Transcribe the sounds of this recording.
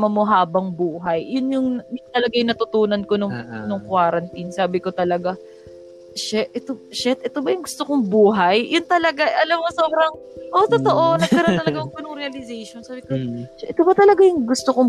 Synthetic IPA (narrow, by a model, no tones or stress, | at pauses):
mɐmo̞ɦaːbɐŋbuːɦɐjːʊnjʊŋnjʊŋt̪ɐlɐɡajʊŋnɐt̪ʊt̪uːnɐnko̞nʊŋnʊŋkwaːɾɐnt̪insaːbɪko̞t̪ɐlɐɡa | ʃɛʔʔɛt̪oʃɛt̪̚ʔɛt̪obɐjʊŋɡʊst̪okoŋbuːɦɐjːʊnt̪ɐlɐɡaʔɐlɐmkosoːbɾɐŋ | ʔot̪ot̪o̞ʔo̞nɐɡ̚ɐɐɾot̪ɐlɐɡajʊŋkonʊŋɾɛɐlɪzejʃonsaːbɪkoʃɛʔɛt̪obɐt̪ɐlɐɡajʊŋɡʊst̪okoŋ